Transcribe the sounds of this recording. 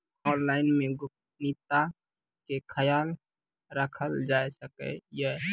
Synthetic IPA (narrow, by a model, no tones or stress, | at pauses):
ɔ̃ːnlaːɪnmẽɡʊk̚tnit̪a | kekʰəjaːl | ɾəkʰəld͡ʒaːesəkḛjə